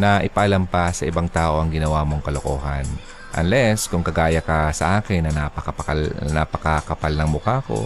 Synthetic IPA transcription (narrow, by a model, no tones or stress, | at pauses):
nɐʔɪpɐʔɐlampɐsɐʔɪbaŋt̪aːʔo̞ʔɐŋɡɪnɐwaːmo̞ŋkɐlokoːɦa̰n | ʔɐ̰nlɛskʊŋkɐɡaːjɐkɐsɐʔaːkɪnːɐnapɐkɐpɐɐlna̰pɐkɐkɐpalnɐŋmʊkaːko̞̰